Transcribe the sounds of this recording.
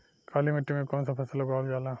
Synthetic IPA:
kʰaːlimeʈːimẽkoːnsapʰɐsloɡaːld͡ʒaːlãː

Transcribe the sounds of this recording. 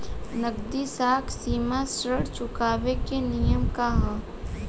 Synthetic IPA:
nəɡd̪isaːksiːmasɾəɽt͡ʃʊkaːʋekenijəmkaɦə̃

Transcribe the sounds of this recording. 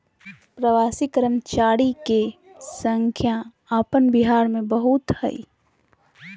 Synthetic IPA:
pɾəʋaːsikɾəmt͡ʃaːɽike | sə̃ŋkʰja | aːpənbiɦaːɾmẽbəɦut̪hə̰ḭ

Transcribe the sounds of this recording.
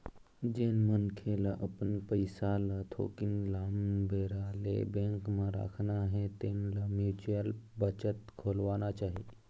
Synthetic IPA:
d͡ʒeːnmənkʰelaʔəpənpəjsalat̪ʰo̰ːkinlaːmbeːɾaːlḛbẽːŋkmãɾa̰ːkʰnaɦet̪eːnləmjuːt͡ʃəlbət͡ʃət̪kʰoːlʋanat͡ʃaːɦi

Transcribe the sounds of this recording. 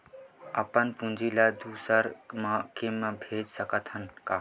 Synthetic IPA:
ɐpənpũnd͡ʒʱilad̪uːsəɾmãkemːãbʱeːd͡ʒsəkət̪ɦənkaː

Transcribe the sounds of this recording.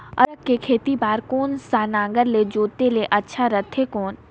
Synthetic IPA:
ɐɾəkːekʰeːt̪ibaːɾkoːnsaːnãːŋɡəɾled͡ʒoːt̪eleʔɐtːʃʰaɾət̪ʰːekoːn

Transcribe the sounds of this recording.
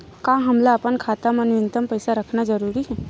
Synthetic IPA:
kãɦəmlaəpənkʰaːt̪amənʋɪnt̪əmpəjsaɾəkʰnad͡ʒəɾuːɾiɦɛ

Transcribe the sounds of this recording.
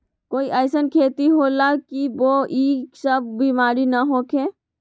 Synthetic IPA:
koːiʔəɪsənkʰeːt̪iɦoːlakiʋoːʔiːksəb̚ʱbimaːɾinaɦoːkʰeː

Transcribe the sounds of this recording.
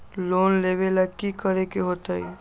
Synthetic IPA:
lonleβelakikəɾekeɦot̪əj

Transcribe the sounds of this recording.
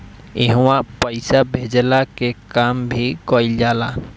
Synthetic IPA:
eɦwãpəjsabʱed͡ʒlakekambʱikɔild͡ʒala

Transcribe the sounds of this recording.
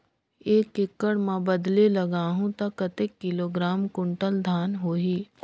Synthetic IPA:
eːkɪkːəɽmɛ̃bɐd̪lelɐɡaːɦũt̪ɐkːɐt̪ekːɪloːɡɾaːmkʊ̃ɳʈəld̪ʱaːnɦoːɦiː

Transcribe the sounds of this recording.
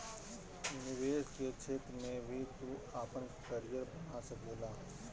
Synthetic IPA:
nɪʋeːʃket͡ʃʰeːt̪ɾmẽbʱit̪uaːpənkəɾɪjəɾbənaːsəkdeːlaː

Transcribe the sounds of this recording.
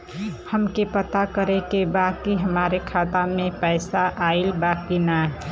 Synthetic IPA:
həmkepət̪akəɾekebadkiɦəmaɾekʰat̪amepəɪsaʔailbakina

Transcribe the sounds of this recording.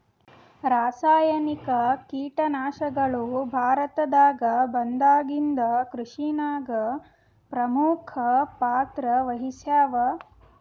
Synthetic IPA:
ɾaːsaːjɐnikɐkiːʈɐnaːʃɐɡɐɭubʱaːɾɐt̪ɐd̪aːɡɐbɐnd̪aːɡind̪ɐkɾuʂinaːɡɐ | pɾɐmuːkʰɐpaːt̪ɾɐʋɐɦisjaːʋɐ

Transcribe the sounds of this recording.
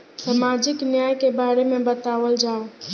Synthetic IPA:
səmad͡ʒɪknjajkebaɾemẽbət̪aʋəld͡ʒaːo

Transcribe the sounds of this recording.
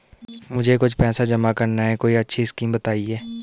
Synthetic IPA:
mʊd͡ʒʱekʊt͡ʃʰpɛːsad͡ʒɐmakɐɾnaɦɛkoːiɐtːʃʰiskiːmbət̪aːiɦɛː

